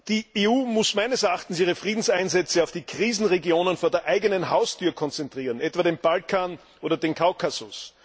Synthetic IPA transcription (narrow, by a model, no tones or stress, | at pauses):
d̥iːeuːmʊsmæɪnəsɛɐaχtn̩siːʁ̞əfʁiːdn̩sæɪnzɛt͡səɑʊfd̥iːkʁiːzn̩ʁeɡjoːnənfoːɐdeːɐʔæɪɡənənɦaʊstʰyːɐkʰɔnt͡sɛntʁ̥iːʁənʔɛtv̥aːdenb̥alkʰaːn | ʔoːdɐdeːnkʰaʊkʰasʊs